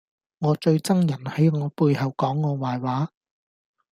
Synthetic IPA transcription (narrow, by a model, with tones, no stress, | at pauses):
ŋɔː˨˧t͡ʃɵ˧ɥt͡sɐ˥ŋjɐ˨˩nhɐ˨˥jŋɔː˨˧puː˧jhɐ˨wkɔː˨˥ŋːɔː˨˧waː˨jwaː˨˥